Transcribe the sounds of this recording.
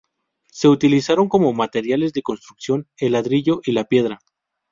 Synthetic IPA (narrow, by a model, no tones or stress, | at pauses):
se̞ut̪ilisaɾo̞ŋko̞mo̞mat̪e̞ɾjale̞zðe̞ko̞nst̪ɾuksjo̞ne̞lːaðɾiʝo̞ʔilapje̞ðɾa